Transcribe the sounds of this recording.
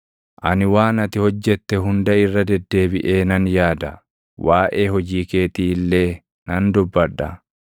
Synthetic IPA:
ʔɐnɪwaːnɐt̪ɪhɔd͡ʒːɛt̪ːɛɦʊnd̪ɐɪrːɐd̪ɛd̪ːe̞ːbɪʔeːnɐnjaːd̪ɐ | waːʔeːɦɔd͡ʒiːke̞ːt̪iːlːe̞ː | nɐnd̪ʊbːɐᶑːɐ̰

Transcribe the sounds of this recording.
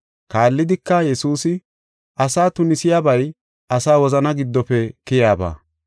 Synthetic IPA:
kaːlːɪd̪ɪkːɐjɛsuːsɪ | ʔɐsaːt̪ʊnɪsɪjaːbɐj | ʔɐsaːwɔzɐnɐɡɪd̪ːɔpɛkɪjaːba̰ː

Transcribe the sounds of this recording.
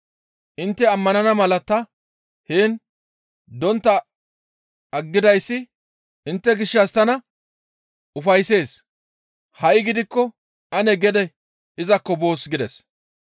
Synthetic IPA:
ʔɪnt̪ːɛɐmːɐnɐnɐmɐlɐt̪ɐ | heːn | d̪ɔnt̪ːɐ | ɐɡːɪd̪ɐjsːɪ | ʔɪnt̪ːɛɡɪʃːɐst̪ɐnɐ | ʔʊfɐjse̞ːs | hɐʔjɪɡɪd̪ɪkːɔ | ʔɐnɛɡɛd̪ɛ | ɪzɐkːɔbo̞ːsɡɪd̪ɛs

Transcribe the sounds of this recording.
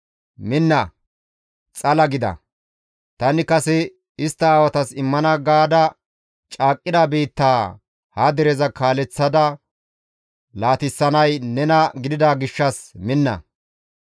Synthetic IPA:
mɪnːɐ | t͡sʼɐlɐɡɪd̪ɐ̰ | t̪ɐnɪkɐsɛ | ɪst̪ːɐaːwɐt̪ɐsɪmːɐnɐɡaːd̪ɐ | t͡ʃʼaːkʼːɪd̪abiːt̪ːaː | hɐd̪ɛɾɛzɐkaːlɛt͡sːɐd̪ɐ | laːt̪ɪsːɐnɐjnɛnɐɡɪd̪ɪd̪aɡɪʃːɐsmɪnːɐ̰

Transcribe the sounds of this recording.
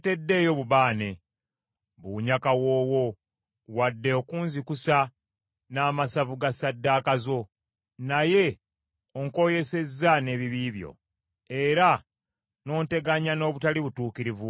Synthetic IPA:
te̞dːe̞ːjo̞βuβaːne̞ | βuːɲakawo̞ːwo̞ | wadːe̞okuːnzikusa | naːmasavuɡasadːaːkazo̞ | naje̞ | oŋko̞je̞se̞zːane̞βiβiːβjo̞̰ | e̞ɾa | no̞ːnte̞ɡaɲano̞ːβutaliβutuːkiɾivu

